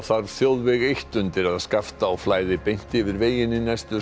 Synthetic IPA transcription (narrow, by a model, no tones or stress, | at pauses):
θaɾθjowðvɛɣejht̪ʏnt̪ɪɾaðskaft̪aːflaːjðɪpejn̥t̪ɪvɪɾveːjɪnːɪnɛst̪ʏ